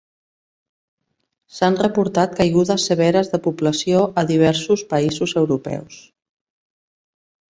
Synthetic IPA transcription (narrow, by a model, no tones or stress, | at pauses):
sanrəpuɾt̪at̪̚kajɣuðəsːəβ̞ɛɾəzðəpupləsjoʔəðiβ̞ɛɾsuspəizuzəwɾupɛ̰ws